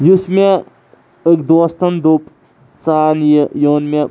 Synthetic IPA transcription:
jusme | əkd̪ost̪ɐnd̪op | t͡saːnjjoːnmʲe

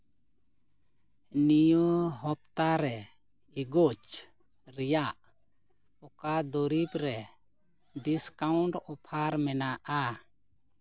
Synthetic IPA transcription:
nijoɦɔp̚t̪aɾɛ | iɡot͡ʃ | ɾɛjaʔ | ɔkad̪ɔɾibɾɛ | ɖiskauɳʈɔpʰaɾmɛnaʔa

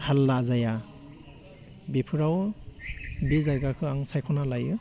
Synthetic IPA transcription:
halːazaja | bipʰuɾaw | bizajɡakʰɯaŋsajkʰɔnalajɯ

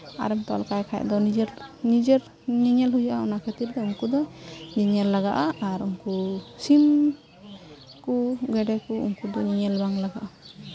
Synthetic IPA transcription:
a̰ɾɛmt̪ɔ̰lkajkʰaj̰ʔd̪ɔnid͡ʒɛɾnid͡ʒɛɾ | ɲiɲɛlɦujaʔaunakʰet̪iɾd̪ɔuŋkud̪ɔɲiɲɛlːaɡaʔaaɾuŋkusim | kuɡɛɖɛkuṵŋkud̪ɔɲiɲɛlbaŋlaɡaʔa

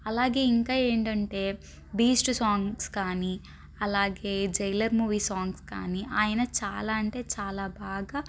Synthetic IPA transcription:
ɐlaːɡe̞ːiŋkaːeːɳʈɐɳʈe̞ː | biːsʈsaːŋɡskaːni | ɐlaːɡe̞ːd͡ʒɐjlɐɾmuːʋiːsaːŋɡska̰ːniʔaːjɐnɐt͡ʃaːlaːɐɳʈe̞ːt͡ʃaːlaːbʱaːɡaː

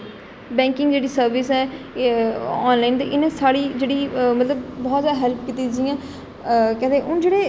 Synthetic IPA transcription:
bɛ̃ːŋkɪŋɡd͡ʒeːɽiːsəɾʋɪsɛː | ɔːnlaːint̪eːʔɪnẽːsaːɽiːd͡ʒeːɽiːmət̪ləbbɔːt̪zaːd̪ɦɛlp̚kit̪iːd͡ʒiːãː | kɛ̃ːd̪eʔʊnd͡ʒeːɽeː

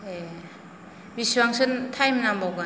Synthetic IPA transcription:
e | biswaŋsɯntʰajmnambawɡa

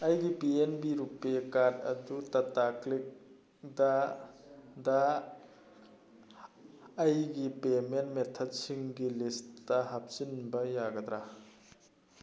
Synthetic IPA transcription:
ɐjɡibienbiɾupekaɾdɐ̰dutɐtaklik̚ | da | da | jɡipemenmet̪ʰɔt̚siŋɡilistːaɦap̚sinbɐjaɡɐd̪ɾa

